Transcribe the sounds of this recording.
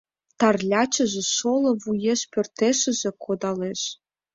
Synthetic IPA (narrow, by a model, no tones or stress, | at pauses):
t̪ɑrlʲɑt͡ɕə̆ʒĕʃolɤ̆βujeʃpørt̪eʃə̆ʒĕkʰod̪ɑleʃ